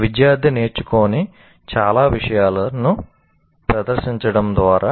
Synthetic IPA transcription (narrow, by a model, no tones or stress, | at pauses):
ʋid̪jaːɾd̪ʱine̞ːɾt͡ʃukoːni | t͡ʃaːlaːʋiʂɐjaːlɐnu | pɾɐd̪ɐɾʃiɲt͡ʃɐɽɐmd̪ʋaːɾaː